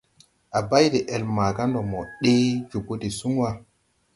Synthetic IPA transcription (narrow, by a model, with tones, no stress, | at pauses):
ʔa˨ba˦jde˨ʔɛ˨lma˨ka˦ndɔ˨mɔ˨ɗe˦d͡ʒu˨ɡo˦ti˨su˦ŋ˦wa˦